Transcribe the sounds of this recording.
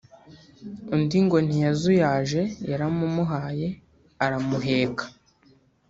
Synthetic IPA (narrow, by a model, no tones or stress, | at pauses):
undiŋɡo̞n̥ijazujaːʒe̞jaɾamumuɦaːje̞ | aɾamuɦe̞ːkḁ